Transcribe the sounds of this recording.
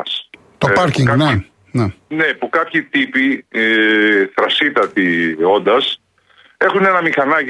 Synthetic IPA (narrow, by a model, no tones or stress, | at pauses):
ɐs | t̪opɐɾciŋne | nenepukɐpçit̪ipi | θɾɐsit̪ɐt̪io̞nd̪ɐs | e̞xune̞nɐmixɐnɐ